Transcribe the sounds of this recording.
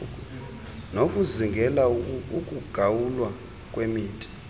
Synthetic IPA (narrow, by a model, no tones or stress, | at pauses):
nokʼuziŋɡʱɛlaukʼuɡ̥ʱawulwa | kʼwemiːtʰi̥